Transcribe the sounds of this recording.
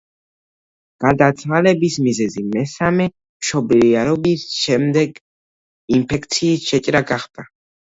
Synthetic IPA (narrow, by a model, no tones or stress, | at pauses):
ɡ̥ad̪at̪sʰχalɛbismizɛzimɛsamɛ | mʃɔbliaɾɔbisʃɛmd̪ɛɡ | impʰɛk̚ʰt̪sʰiːsʃɛt͡ʃʼɾaɡaχd̪̥a